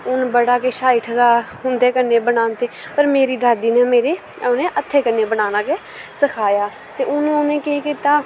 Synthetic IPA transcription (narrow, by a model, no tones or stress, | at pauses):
ʊnbəɽaːkeːʃaːɪʈʰd̪aːɦʊnd̪eːkənːeːbəɽaːnt̪eːpəɾmeːɾiːd̪ʱaːd̪iːneːmeːɾeː | neːʔət̪ʰːeːkənːeːbənaːnaːkeː | səkʰaːjaː | t̪eːʊñːʊnẽːkekiːt̪aː